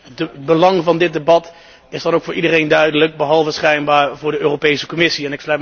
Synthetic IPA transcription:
dəbəlɑŋvɑndɪt̚debɑt | ɪzdɑnowkfʊːɹʔidərejndœɥdələk̚bəɦɑlˠvəsχɛjnbaːɹvʊːɹdəøːropejsəkɔmɪsiɛnɪkslœɥ

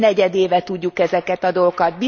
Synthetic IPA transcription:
nɛɟɛd̪eːvɛt̪uɟːukɛzɛkɛt̪ɒd̪olokɒt̪̚bi

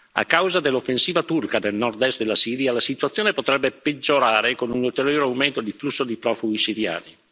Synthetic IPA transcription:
a̰kːawzad̪elːofːensiːvat̪urkad̪elnɔrt̪ɛst̪̚d̪elːasiːɾjalasit̪uat̪sːjoːnepot̪ɾɛbːeped͡ʒːoɾaːɾekonunult̪eɾjoːɾeawment̪od̪iflusːod̪ipɾɔfuɡisiɾja̰ːni

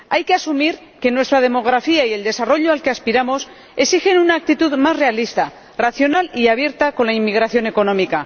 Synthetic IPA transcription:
ajke̞asumiɾ | ke̞nwe̞st̪ɾað̞e̞mo̞ɣ̞ɾafiaie̞ld̪e̞saro̞ʎo̞alke̞aspiɾamo̞s | e̞sixe̞nunaːk̚t̪it̪uðmazre̞alist̪a | raθjo̞naliaβje̞ɾt̪ako̞nlaimːiɣɾaθjo̞ne̞ko̞nõ̞mika

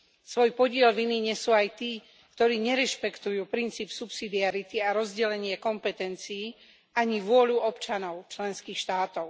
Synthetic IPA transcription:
sʋɔjpɔɟɪɛlʋiniɲɛsuːajt̪iː | kt̪ɔɾiːɲɛɾɛʃpɛkt̪ujuːpɾint͡siːpsupsid̪iaɾit̪iaɾɔzɟɛlɛɲɪɛkɔmpɛt̪ɛnt͡siː | aɲiʋʊɔʎuɔpt͡ʃanɔʊt͡ʃlɛnskiːxʃt̪aːt̪ɔʊ

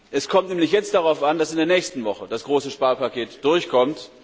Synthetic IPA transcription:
ʔɛskʰɔmtnɛːmlɪçjɛt͡st̚d̥aʁaʊfand̥asɪndeːɐnɛːçstn̩vɔχəd̥asɡ̥ʁoːsəʃpaːɐpakeːtd̥ʊɐçkʰɔmt

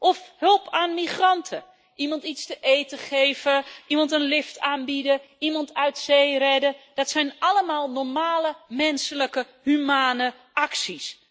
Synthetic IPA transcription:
ʔɔfhølˠpʰaːnmixrɑntʰə | ʔimɑntitstəʔeːtəχeːvəʔimɑntənlɪftʰaːnbidə | imɑntʰœɥtseːrɛdəd̥ɔtsɛjnʔaləmaːlˠnɔɹmaːləmɛnsələkə | hymaːnə | ʔaksis

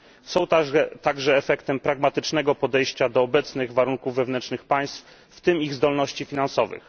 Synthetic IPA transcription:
sɔ̃w̃t̪aɛt̪aɡʐɛːfɛkt̪ɛmpɾaɡmat̪ɘt͡ʂnɛɡɔpɔd̪ɛjɕt͡ɕad̪ɔːbɛt̪snɘɣvaɾuŋkuvːɛvnɛnt͡ʂnɘxpaj̃st̪f | ft̪ɘmiɣzd̪ɔlnɔɕt͡ɕifʲinansɔvɘ̰x

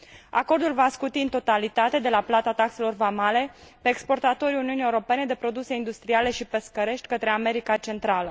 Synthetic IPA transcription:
a̰ko̞rd̪ulvaskut̪iɨnt̪o̞t̪alit̪at̪e̞d̪e̞laplat̪at̪akse̞lo̞rvamale̞pe̞ːkspo̞rt̪at̪o̞ɾʲiuniunije̞wuɾo̞pe̞ne̞d̪e̞pɾo̞d̪use̞ind̪ust̪ɾiale̞ʃipe̞skəɾe̞ʃt̪ʲkət̪ɾe̞ame̞ɾikat͡ʃe̞nt̪ɾalə

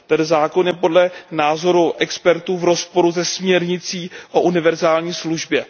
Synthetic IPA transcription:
t̪ɛnzaːko̞njɛpo̞dlɛnaːzo̞ɾuʔɛkspɛɾt̪uːvɾo̞spo̞ɾuzɛsmɲɛɾɲɪt͡siːʔoʔunɪvɛɾzaːlɲiːsluʒbjɛ

